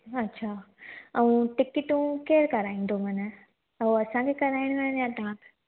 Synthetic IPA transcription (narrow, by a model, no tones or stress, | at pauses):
ɐtːɕʰa | ɐũʈɪkɪʈũkeːɾkɐɾaːĩːnd̪ʱomɐnə | oɐsãkʰekɐɾaːɪɽ̃menənjãt̪ɐɦãkʰ